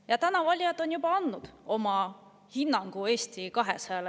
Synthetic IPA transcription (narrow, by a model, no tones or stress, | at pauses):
jɑt̪ænɑvɑlʲjɑt̪ːˑo̞njubɑɑnd̪ːud̪̥o̞mɑ | hinːɑŋɡ̥ue̞ːst̪ikɑɦesɑɑl